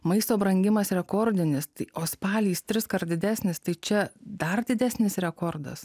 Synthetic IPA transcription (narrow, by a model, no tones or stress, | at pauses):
mɐɪst̪oːbɾɐŋʲɡʲɪmɐsɾʲɛkoɾʲd̪ʲɪnʲɪst̪ɐɪoːspɑːlʲiːst̪ʲɾʲɪskɐɾd̪ʲɪd̪ʲæːsʲnʲɪst̪ɐɪt͡ʃʲɛd̪ɐrd̪ʲɪd̪ʲæːsʲnʲɪsɾʲɛkoːɾd̪ɐ̰s